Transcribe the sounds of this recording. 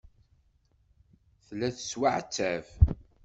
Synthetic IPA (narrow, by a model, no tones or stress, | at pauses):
θlːæθə̥swaʕt͡sːæv